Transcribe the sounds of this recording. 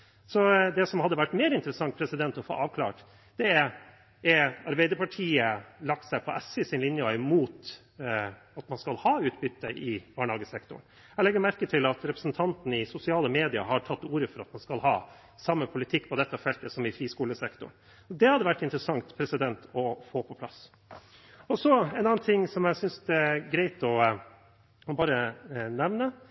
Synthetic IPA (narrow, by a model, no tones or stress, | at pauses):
sɔd̪ɛsɔmhɑd̪ːəʋæʈːmeːɾɪnt̪əɾəsɑŋt̪̚pʰɾɛsɪd̪ɛnt̪ɔfo̰ːʔɑːʋkʰlɑ̰ːʈ | d̪̥ɛæɾ | ɛɑɾbæɪd̪əɾpʰɑʈʰiːəlɑk̚t̪sæɪpʰɔʔæsɪsɪnlɪnjəɑɪmuːt̪ | ɑt̪mɑnskɑlhɑːʉːt̪̚bʏt̪ːəʔɪbɑːɳhɑːɡəsɛkt̪ʊ̰ɳ | ælɛɡːəɾmæɾkət̪ʰɪlɑt̪ɾɛpɾə̥sn̩t̪ʰɑnt̪n̩ɪsʊsɪɑːləmeːd̪ɪɑ̰hɑʈʰɑt̪ːuːɾəfɔɾɑt̪mɑnskɑlhɑ̰ː | sɑmːəpʰʊlɪt̪ʰɪkːpʰɔd̪ɛt̪ːɑfɛlt̪əsɔmɪfɾiːskuːləsɛkt̪ʊ̰ɳ | ɔd̪ɛhɑd̪əʋæʈːɪnt̪ɾəsɑŋt̪pʰɾɛsɪd̪ɛnt̪ɔfoːpʰɔpʰlɑ̰s | ɔsɔɛnɑːnt̪ʰɪŋːsɔmjæɪsʏnsɛɡɾæɪt̪ɔ | ɔbɑːɾənɛʋnə